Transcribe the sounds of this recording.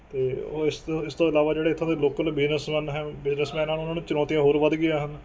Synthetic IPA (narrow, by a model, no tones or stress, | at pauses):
t̪eːosɪst̪õːɪlaːʋaːd͡ʒeːɽeːɪt̪ʰːãːd̪eloːkəlbɪznəsmɛ̃ːnɦɛːbɪznəsmɛ̃ːnaːnʊnãːnũːt͡ʃənɔːt̪ijãːɦoːɾʋəd̪ɡɪjaːɦən